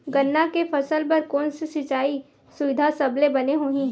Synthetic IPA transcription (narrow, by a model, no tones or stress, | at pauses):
ɡɐnːakefʰɐsəlp̬ɐɾkɔːnsesɪt͡ʃaːi | sʊʋɪd̪ʱasɐblebɐneɦoɦĩ